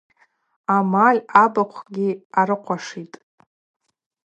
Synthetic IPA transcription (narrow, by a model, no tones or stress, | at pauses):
amalʲabaqʷʰɡʲiaɾɨqʷʰaʂitʼ